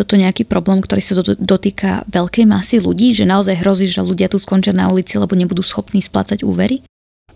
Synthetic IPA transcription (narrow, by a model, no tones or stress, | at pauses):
ɔt̪ɔɲɛakiːpɾɔblɛːmkt̪ɔɾiːsad̪ɔt̪iːkʰa̰ʋɛʎkɛjmasiluɟiːʒɛnaɔzajɦɾɔziːʒʒɛluɟɪat̪uːskɔnt͡ʃɪana̰ulit͡sialɛbɔɲɛbud̪uːsxɔpniːspla̰t͡saɟṵːʋɛɾi